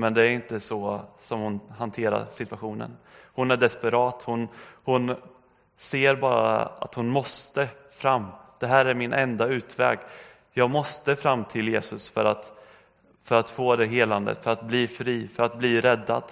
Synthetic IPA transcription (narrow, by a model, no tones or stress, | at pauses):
mɛnd̪ɛæɾɪnt̪əsɔsɔmhʊnhant̪ʰeːɾa̰ɾsɪt̪v̥aɧuːnə̰nhʊnæɖɛspɛɾɑːt̪hʊnhʊn | seːɾbɑːɾa̰a̰t̪hʊnmɔst̪əfɾamːd̪̥ɛɦæːɾæɾmɪnʔɛnd̪aʉ̟ːt̪vɛ̰ːɡ | jɑːɡmɔst̪əfɾamːt̪ʰɪljeːsɵsfœɾat̪ | fœɾat̪foːd̪ɛɦeːland̪ə̰t̪fœɾat̪̚bliːfɾiːfœɾat̪̚bliːɾɛd̪ːa̰d̪̥